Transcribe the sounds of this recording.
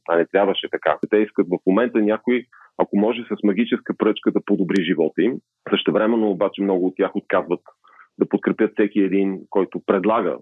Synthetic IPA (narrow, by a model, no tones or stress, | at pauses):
ɐnɛt̪ɾʲjabvəʃɛt̪ɐka̰t̪ɛiskət̪vɐfmomɛnt̪ənʲakʊi | ɐkomɔʒɛsəsmɐɡ̟it͡ʃɛskəpɾɤt͡ʃkəd̪ɐpod̪obɾiʒivɔt̪im | səʃt̪ɛvɾɛmɛnːoːbat͡ʃɛmnɔɡʊːt̪tːʲjaxot̪̚kazvət̪ | d̪ɐpot̪̚kɾɛpjɤt̪fsɛkiɛd̪inkɔjt̪ʊpɾɛd̪lˠaɡə̰